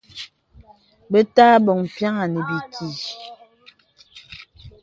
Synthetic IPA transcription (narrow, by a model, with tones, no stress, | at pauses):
be˦taː˦bɔ˨ŋm˨pja˦ŋa˨ne˨bi˨kʰi˨